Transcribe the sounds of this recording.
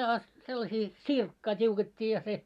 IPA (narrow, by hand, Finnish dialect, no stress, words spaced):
ɑ selːɑsiː t̆sirkːɑː tʲiuketʲːiː jɑ se